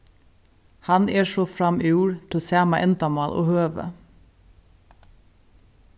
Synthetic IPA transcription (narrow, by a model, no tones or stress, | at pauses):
hɑnʔeːʃoːfɹɑmiːuːɹt̪ʰl̩sæːmɑʔɛnt̪ɑmɑːlʔo̰ːhøːʋə̰